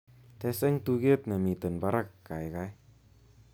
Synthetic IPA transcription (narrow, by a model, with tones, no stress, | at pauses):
t̪ɛ˧se˦ŋt̪u˧ke˦t̪̚na˨mi˨t̪ə˨npa˧ɾəkːa˨jkaj